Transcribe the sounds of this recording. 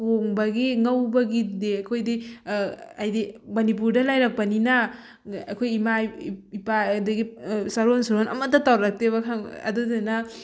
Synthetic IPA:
poŋbɐɡiŋɐwbɐɡideakʰojdi | ajdimɐnip̬uɾdɐlajɾak̚pɐninɐ | a̰kʰojimaipadɐɡisɐɾonsuɾonɐ̰mɐtɐtawɾɾak̚teβɐkʰaŋɐ̰dudenɐ

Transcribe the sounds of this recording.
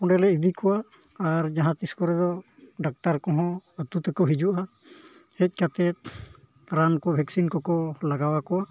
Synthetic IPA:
pɔɳɖɛlɛid̪ikɔwaː | ɾd͡ʒaɦãt̪iskɔɾɛd̪ɔɖak̚ʈaɾkɔɦɔ̃ət̪ut̪ɛkɔɦid͡ʒuʔa | hɛc̚ˀkat̪ɛt̪̚ | ɾankɔbʱɛksinkɔkɔlaɡawakɔwa

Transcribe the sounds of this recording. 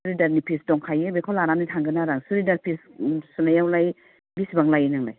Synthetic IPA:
suɾidaɾnipʰisdɔŋkʰajebekʰɔlaɾanɯtʰaŋɡɯnaɾaŋsuɾidaɾpʰissunajawlaj | bisibaŋlajenaŋla̰j

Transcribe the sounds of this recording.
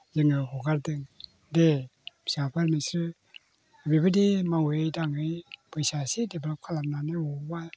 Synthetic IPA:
jɯŋɯɦɔɡaɾdɯŋ | de̥sapʰaɾmisɾɯ | bibɯdimaŋwejdaŋɯjpʰɯjsasidebelɔp̚kʰalam̚nanɯwɔba

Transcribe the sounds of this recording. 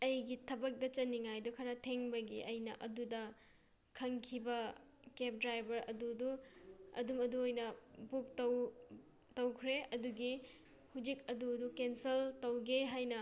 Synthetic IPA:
ɐjɡitʰɐbɐk̚dɐt͡ʃɐnːiŋajdukʰɐɾɐtʰeŋbɐɡḭʔɐjnɐ̰ʔɐdudɐ | kʰɐŋkʰibɐ | kep̚dɾajbɐɾɐ̰duduɐ̰dumɐduojnɐbuk̚tɐw | tɐwkʰɾeɐduɡi | hud͡ʒikɐduɐdukenseltɐwɡeɦajnɐ

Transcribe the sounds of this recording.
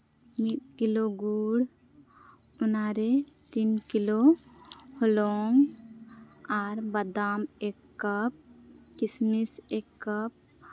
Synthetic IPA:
mit̚kiloɡuɽ | unaɾe | t̪inkilo | hɔlɔŋ | aɾbad̪amɛkːap̚kismisɛkːap̚

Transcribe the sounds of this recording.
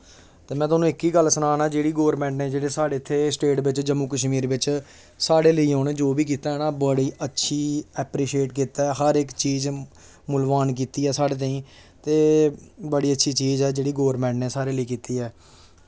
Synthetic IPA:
t̪eːmɛ̃ːt̪ʊaːnũːɪkiːɡəlsənaːnaːd͡ʒeːɽiːɡoːəɾmɛ̃ːɳʈneːd͡ʒeːɽeːsaːɽeːɪt̪ʰːeːsʈeːʈbɪt͡ʃd͡ʒəmuːkəʃmiːɾʋɪt͡ʃ | saːɽeːləiːoːñeːd͡ʒoːbiːk̬iːt̪aːɛːnaːbəɽiːʔətːʃʰiːɛːpɾiːʃeːʈkiːt̪aːɛːɦəɾɪkt͡ʃiːz | mʊlʋaːnk̬iːt̪iːɛːsaːɽeːt̪̬ə̃ĩː | t̪eːbəɽiːətːʃʰiːt͡ʃiːzɛːd͡ʒeːɽiːɡoːəɾmɛ̃ːɳʈneːsaːɾeːləiːkiːt̪iːɛː

